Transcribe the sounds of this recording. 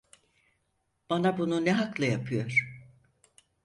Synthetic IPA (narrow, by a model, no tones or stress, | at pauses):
b̥anabununɛɦaklˠajapʰɯjo̞ɾ̥